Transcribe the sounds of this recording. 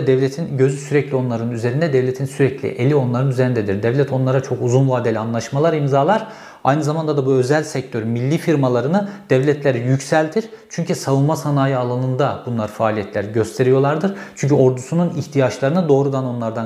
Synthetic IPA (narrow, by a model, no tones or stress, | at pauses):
d̪ɛvlʲet̪ʰinɟø̞zysyɾɛclʲio̞nlˠaɾɯnyze̞ɾind̪ɛd̪ɛvlʲe̞t̪ʰinsyɾɛclʲḭʔelʲio̞nlˠaɾɯnyze̞ɾind̪ɛd̪iɾd̪ɛvlʲɛt̪ʰo̞nlˠaɾat͡ʃʰo̞kuzunvaːd̪elʲanlˠaʃmalˠaɾimzaːlˠaɾ | ajnɯzamand̪ad̪abuø̞zælʲsɛc̚t̪ʰøɾmilʲːiːfiɾmalˠaɾɯnɯd̪̥ɛvlʲɛt̪ʰlʲeɾijycsælʲt̪ʰiɾ | t͡ʃʰyɲcʰysavɯlˠmasanaːjɯalˠanɯnd̪ab̥unlˠaɾfaːlʲijɛt̪lʲæɾɟø̞st̪ʰe̞ɾijo̞lˠaɾd̪ɯɾ̥t͡ʃʰyɲcʰyo̞ɾd̪usununiçt̪ʰijat͡ʃlˠaɾɯnɯd̪o̞ːɾud̪ano̞nlˠaɾd̪a